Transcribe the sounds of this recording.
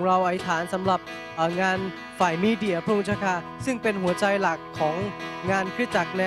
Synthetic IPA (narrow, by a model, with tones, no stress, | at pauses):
ŋɾa˧wʔa˧˩˦t̪ʰaː˩˦nsa˩˦mɾa˨˩p̚ | ʔɤː˨˩ŋaː˧n | faː˨˩jmiː˧di˧˩˨ɐpʰɾu˥˩ŋt͡ɕʰa˥˩kʰa˦˥˩ | sɯ˥˩ŋpe˧nɦu˨˩˦ɐt͡ɕa˧jla˨˩kʰːɔː˩˦ŋŋaː˧nkʰɾi˦˥t̪̚t͡ɕa˨˩k̚nɛ˧